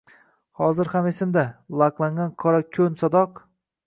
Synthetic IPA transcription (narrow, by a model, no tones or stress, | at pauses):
hɒzɪɾhamesɪmd̪alˠaqlˠaŋɡankʰɒɾakʲʰɵnsɒd̪ɒq